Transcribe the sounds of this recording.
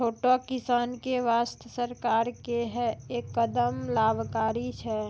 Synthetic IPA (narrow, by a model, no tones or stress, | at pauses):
t͡ʃʰoːʈokɪsaːnkeʋaːst̪ʰəsəɾkaːɾkeɦɛeːkːəd̪əmlaːbʱkaːɾit͡ʃʰɛ